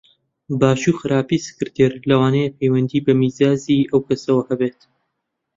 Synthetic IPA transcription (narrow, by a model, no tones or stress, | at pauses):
baːʃuːxɨɾʔaːpiːsɨ̥kɨɾt̪ʰeɾlɐwaːnejepʰejwɐnd̪iːbɐmiːzaːziːʔɐwkɐsɐwɐhɐbeːt̪